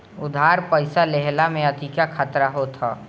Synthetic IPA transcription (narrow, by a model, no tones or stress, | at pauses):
ʊd̪ʱaːɾpəɪsaleɦlamẽət̪ikakʰat̪ɾaɦot̪ʰa̰ː